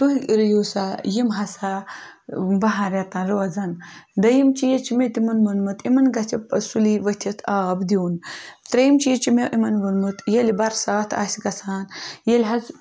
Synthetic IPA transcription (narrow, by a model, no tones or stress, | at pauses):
t̪uɦiɾjoːsajimɦɐsa | bɐɦaɾjat̪anɾɐʋɐzɐnd̪ɐjimt͡ʃijet͡ʃimet̪imɐnmɐnmɐt̪ʰimɐnɡɐt͡sɐpɐsuliʋɐt̪ʲʰit̪ʰabd̪iunt̪ɾɐjimt͡ʃijet͡ʃimeʔimɐnʋɐnmɨt̪jelibɐɾsaːt̪ʰa̰sʲɡɐsaːnjelʲɦɐz